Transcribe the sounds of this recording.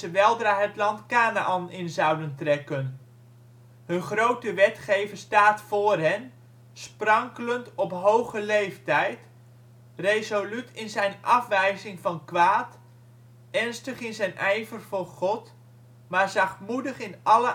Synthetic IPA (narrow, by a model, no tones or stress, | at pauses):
əʋɛlˠdraːɦətlɑntkaːnaʔɑnɪnzɑwdəntrɛkən | ɦɵnχrowtəʋɛtχejvəɹstaːtfʊːrɦɛn | sprɑŋkələntɔpɦowχəlejftɛjt | rejzolytɪnzɛjnɑfʋɛjzɪŋvɑnkʋaːt | ɛrnstəχɪnzɛjnʔɛjvərvʊχɔt | maːɹzɑχtmudəχɪnʔɑlə